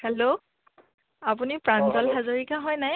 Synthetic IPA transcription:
hɛlo | apunipɹanzɔlɦazoɹikaɦɔjnaj

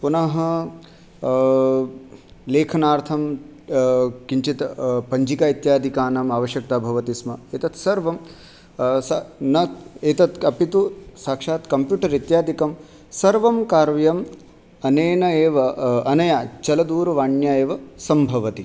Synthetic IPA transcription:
punɐɦɐ | leːkʰɐnaːɾt̪ʰɐm | kiɲt͡ʃit̪pɐɲd͡ʒikaːit̪jaːd̪ʱikaːnamaːʋɐʃjɐk̚t̪aːbʱɐʋɐt̪ismɐeːt̪ɐt̪sɐɾʋɐm | sɐnɐeːt̪ɐt̪ɐpit̪usaːkʂaːt̪kɐmpjuːʈɐɾit̪jaːd̪ʱikɐm | sɐɾʋɐmkaːɾʋjɐm | ɐneːnɐeːʋɐɐnɐjaːt͡ʃɐlɐd̪uːɾɐʋaːɳjaːeːʋɐsɐmbʱɐʋɐt̪i

